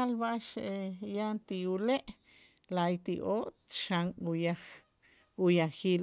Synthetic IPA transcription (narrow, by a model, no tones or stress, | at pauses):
alβaʔʃeʔejant̪iuleʔ | lajt̪iʔoʔt̪ʃaŋujaχ | ujaxiːl